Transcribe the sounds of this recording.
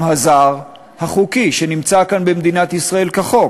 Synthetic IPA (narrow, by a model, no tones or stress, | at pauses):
hazaʁ | haχukiʃe̞nimt͡sakanbemd̪inat̪isʁae̞lkaχo̞